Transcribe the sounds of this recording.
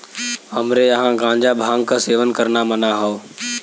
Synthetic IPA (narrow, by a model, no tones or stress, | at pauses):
ɦɐmɾejɐɦãɡãːɲd͡ʒabʱãːŋɡkaseːʋənkɐɾnamənaɦoo